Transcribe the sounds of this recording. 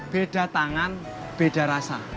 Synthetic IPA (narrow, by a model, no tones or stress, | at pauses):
b̥eɖ̥a̤t̪aŋan | b̥eɖ̥a̤ɾasa̰